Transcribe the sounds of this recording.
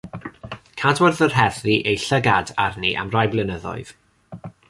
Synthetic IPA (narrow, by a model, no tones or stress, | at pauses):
kʰadwɛrðərɦɛðriʔejɬəɡadarnḭʔa̰mrajblˠɪnəðɔ̰ɨð̥